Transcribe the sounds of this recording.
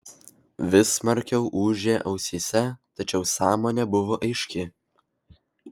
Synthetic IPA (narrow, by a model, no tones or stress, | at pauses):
ʋʲɪsmɐɾʲkʲɛʊʔuːʒʲeːʔɐʊsʲiːsʲɛt̪ɐt͡ʃʲɛʊsɑːmoːnʲebʊʋoːʔɐɪʃʲkʲɪ